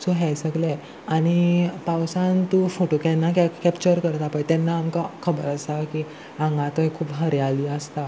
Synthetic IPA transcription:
t͡soɦɛjsəɡlɛ | aɽ̃ipawsãnt̪ufoʈokɛ̃nːakakɛpt͡ɕəɾkəɾt̪apəjt̪ɛnːaːmkakʰəbə̰ɾəst̪aki | ãŋɡãt̪oekʰuːpɦəɾjaliːəst̪a

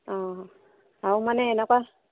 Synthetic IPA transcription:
ɔ | aumanɛːnakwa

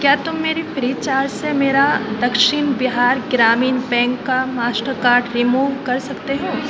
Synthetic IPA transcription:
kjaːt̪ʊmːeːɾipɾiːt͡ʃaːɾd͡ʒsemeːɾad̪ɐkʃɪnbɪɦaːɾɡɾaːmiːnpɛ̃ːŋkːamaːsʈəɾkaːɾɖɾimuːʋkɐɾsɐkt̪eɦɛ̃ː

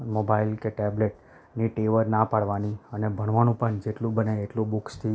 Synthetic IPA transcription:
mobailkeʈɛbleʈ | niʈeʋəɾnapaɽʋaniənebʱəɳʋanũpəɳd͡ʒeʈlũbəneːʈlobukst̪ʰi

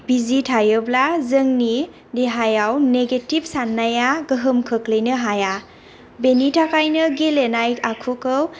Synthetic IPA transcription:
b̥izitʰajɯblazɯŋni | deɦajawneɡetib̚sanːajaɡɯɦɯmkʰɯklɯjnɯɦaja | benitʰakajnɯɡelenajkakʰukɯw

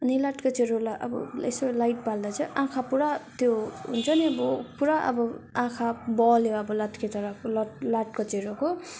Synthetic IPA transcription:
ʌnilaʈkot͡seɾolaʔʌ̰bʌ̰ḛsolajʈ̚pald̪at͡sʰʌ̃ʔãkʰapuɾat̪joɦṵnt͡sʰʌniʌbʌpuɾaʔʌ̰bʌãkʰabʌljoʌbʌlaʈkʰet̪ʌɾʌklʌʈlaʈkot͡seɾoko

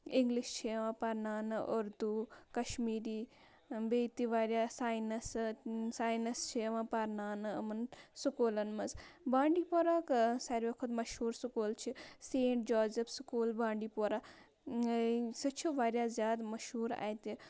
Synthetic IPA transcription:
ɪŋɡliʃt͡ʃʰiɐʋãːpɐɾnaːnɨʔʊɾd̪ukɐʃmiːɾiː | beːt̪iʋaːɾjaːsaːjinɐssaːjinɐst͡ʃʰiʋãːpɐɾnaːnɨɐ̰mɐnsʊkoːlɐnmɐzbãːɳɖiːpoːɾaːksɐɾʋɐkʰʊd̪mɐʃhuːɾsʊkoːlt͡ʃʰiseːɳʈ̚d͡ʒaːzefskuːlbãːɳɖiːpoːɾaː | sɐt͡ʃʰiʋaːɾjaːzʲjaːd̪mɐʃɦuːɾa̰ːjt̪i

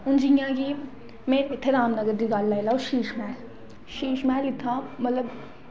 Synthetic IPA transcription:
ʊnd͡ʒijãki | mẽːɾɪt̪ʰːeɾaːmnəɡəɾd͡ʒiɡaːlːaelaoʃiːʃmɛːl | ʃiːʃmɛːlɪt̪ʰːamɐt̪ləb

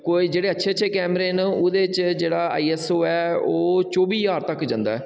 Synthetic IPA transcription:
koːiːd͡ʒeːɽeːətːʃʰeːətːʃʰeːkɛːmɾeːnʊd̪eːt͡ʃd͡ʒeːɽaːa̰ːiːɛːsoːɛːoːt͡ʃoːbiːjaːɾt̪əkd͡ʒə̃ːnd̪a̰ːɛː

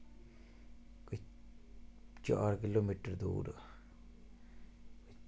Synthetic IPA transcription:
kʊ | t͡ʃɔ̰ɾkɪloːmiːʈəɾd̪ṵːɾ | k

